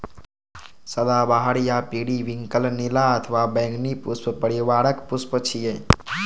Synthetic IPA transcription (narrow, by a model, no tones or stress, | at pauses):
səd̪abaɦəɽjapiɽiʋiŋkəlnilaət̪ʰəʋabəŋɡnipuspəpəɽiʋaːɽəkpuspət͡ʃʰije